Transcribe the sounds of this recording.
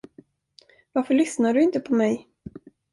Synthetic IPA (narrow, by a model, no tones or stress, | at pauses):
vaɾfœɭʏsnaɖɵɪnt̪əpʰɔmɛj